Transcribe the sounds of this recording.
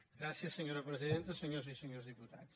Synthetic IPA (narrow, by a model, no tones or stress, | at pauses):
ɡɾaθjɐseɲoɾɐpɾesiðẽnt̪ɐseɲoɾs̬iseɲoɾzðiput̪a̰ðs